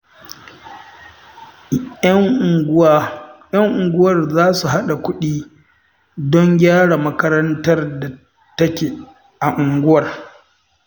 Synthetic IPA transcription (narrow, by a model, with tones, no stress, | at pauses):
jɐ˦ŋʔʊ˨ŋɡʷʊ˦wɐ˨rzaː˦su˨ɦa˦ɗa˨kʷʊ˦ɗiː˦ | dɔ˦ŋɡʲaː˦ɽa˨mɐ˦kɐ˦ɾɐ˦ntɐ˦rda˨ | tɐ˦kʲeː˨ | ʔa˨ʔʊ˨ŋɡʷʊ˦wɐ˨r